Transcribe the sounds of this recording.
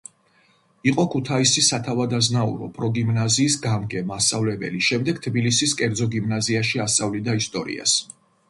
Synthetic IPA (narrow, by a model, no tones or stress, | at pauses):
iqʼɔkʰut̪ʰaisisat̪ʰavad̪aznaṵɾɔ̰pʼɾɔɡimnaziːsɡamɡɛmast̪sʼavlɛbɛ̰liʃɛmd̪ɛɡ̥t̪ʰbilisiskʼɛɾd̪zɔɡimnaziaʃiast̪sʼavlid̪aist̪ʼɔɾḭa̰s